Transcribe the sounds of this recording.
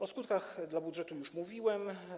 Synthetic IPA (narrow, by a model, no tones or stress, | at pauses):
ɔskut̪̚kaxd̪labudʐɛt̪ujuʂmuvʲiwɛm